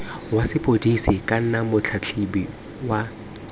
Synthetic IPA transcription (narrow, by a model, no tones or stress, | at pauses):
wasɪpʼodisɪkʼan̩namʊt͡ɬʰat͡ɬʰibi | wa